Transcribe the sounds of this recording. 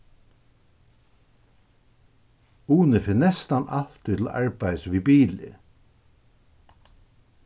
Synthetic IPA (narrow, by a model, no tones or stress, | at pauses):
uːnəfɪnɛst̪anɑl̥t̪ʏt̪l̩ɑ̰ɹbæɪsʋibiːlɪ̰